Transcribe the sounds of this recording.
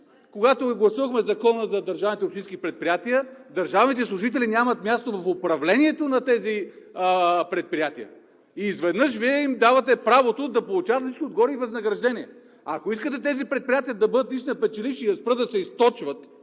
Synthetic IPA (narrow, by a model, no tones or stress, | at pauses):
koɡat̪oɡlˠɐsuvəxmɛzɐkɔnəzɐd̪ɐɾʒavnit̪ɛopʃt̪ĩnskipɾɛt̪̚pɾijat̪iəd̪ɐɾʒavnit̪ɛslˠʊʒit̪ɛlinʲamɐt̪mʲjast̪ovɐfopɾɐvlɛnʲiɛt̪onɐt̪ɛzi | pɾɛt̪̚pɾijat̪ijə̰ | izvɛd̪nɤʃviɛimd̪avɐt̪ɛpɾavot̪od̪ɐpolˠʊt͡ʃavət̪sʲit͡ʃkiod̪ɡɔɾiːvɐznɐɡɾɐʒd̪ɛnʲiɛ | ɐkoiskət̪ɛt̪ɛzipɾɛt̪̚pɾijat̪ijəd̪ɐbɤd̪ət̪liʃinɐpɛt͡ʃɛlifʃiːɐspɾɤd̪ɐsɛist̪ɔt͡ʃvət̪